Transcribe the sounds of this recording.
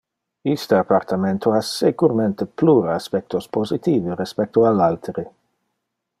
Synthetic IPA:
ist̪əapart̪ament̪ʰoasekuɾment̪epluːɾoaspɛk̚t̪ospozit̪iːveɾespɛk̚t̪oalalt̪ʰeɾi

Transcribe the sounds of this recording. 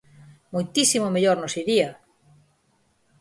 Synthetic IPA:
mojt̪isimomeʎoɾnosiðia

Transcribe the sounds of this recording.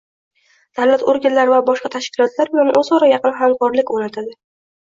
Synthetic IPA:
d̪̥awlat̪oɾɡʲanlaɾvabɒʃqɑt̪ʰaʃkʲɪlɒt̪ʰlaɾbɪlanʔɵzɒɾajɑqɨnɦamkʰɒɾlɪkʲonat̪ʰad̪ɪ

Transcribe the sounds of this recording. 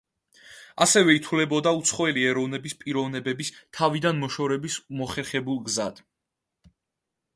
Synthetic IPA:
asɛvɛit̪ʰulɛbɔd̪aut̪sʰχɔɛliɛɾɔvnɛbispʼiɾɔvnɛbɛbist̪ʰavid̪anmɔʃɔɾɛbismɔχɛɾχɛbulˠɡza̰d̪̥

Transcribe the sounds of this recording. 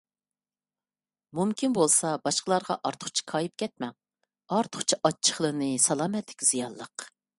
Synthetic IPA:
mumkʲinbolˠsɑbɑʃqəlˠɑɾʁɑ̰ʔɑɾt̪ʰʊ̥χt͡ʃʰi̥kʰɑːjip̚kʲʰɛt̪̚mɛŋ | ɑɾt̪ʰʊ̥χt͡ʃʰiʔɑt͡ʃʰːə̥χlˠənɨsɑlˠɑːmɛt̪lɪkʲz̥ijɑnlˠːəq

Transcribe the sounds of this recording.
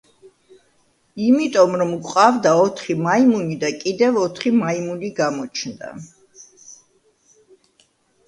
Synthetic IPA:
imit̪ʼɔmɾɔmkʷʼqʼavd̪aɔt̪ʰχimaimunid̪akʼid̪ɛvɔt̪ʰχimaimuniɡamɔt͡ʃʰnd̪a̰

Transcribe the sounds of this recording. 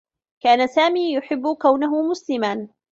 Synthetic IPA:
kaːnasaːmiːjʊħɪbːʊkawnaɦʊmʊslɪman

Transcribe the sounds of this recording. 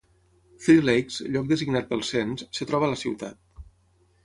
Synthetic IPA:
θɾilejksʎɔk̚d̪əziɡnat̪̚bəlˠsenssət̪ɾɔβəːləsiwt̪at̪̚

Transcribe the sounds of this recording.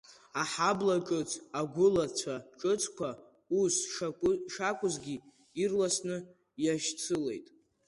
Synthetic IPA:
aħablaʈ͡ʂʼɨt͡sʰaɡʷʊlat͡sʷʰaʈ͡ʂʼɨt͡sʼʰkʷʰa | usaʂakʷʼʊzɡʲi | irlasnɨ | jaʃt͡sʰɨle̞̰jtʼ

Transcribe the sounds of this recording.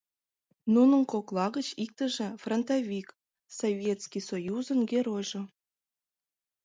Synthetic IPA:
nunə̆nkoklˠɑɣət͡ɕik̚t̪ə̆ʒĕfront̪ovʲik | sovʲjet̪skʲijsojuzə̆nɡʲeɾojʒo

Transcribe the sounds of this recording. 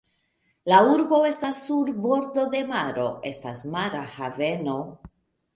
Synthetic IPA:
lauɾbo̞e̞stasːuɾbo̞ɾd̪o̞d̪e̞maɾo̞̰e̞stasmaɾahave̞no̞

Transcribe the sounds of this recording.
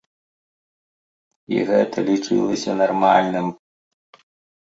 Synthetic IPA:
ḭɣɛt̪ɐlʲit͡ʂɨ̰lˠɐsʲɐnɐrmɑlʲnɪm

